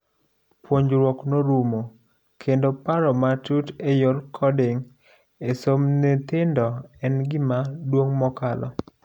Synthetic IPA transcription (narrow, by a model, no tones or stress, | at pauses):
pwoɲd͡ʒɾwɔknoɾumo | kʰendopaɾɔmatutejorkʰɔdɪŋ | esomnet̪ɪndɔɛnɡɪmadwoŋmɔkalɔ̰